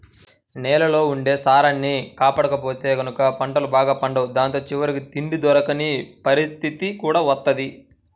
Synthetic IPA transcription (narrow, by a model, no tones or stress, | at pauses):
snɛːlɐlo̞ːuɳɖe̞ːsaːɾɐnːikaːpaːɽɐkɐpo̞ːt̪e̞ːɡɐnukɐpɐɳɖɐlubaːɡaːpɐɳɖɐwud̪aːnt̪o̞ːt͡ʃiʋɐɾikit̪iɳɖid̪ɔɾɐkɐnipɐɾist̪ʰit̪ikuːɽaːʋɐt̪ːɐd̪i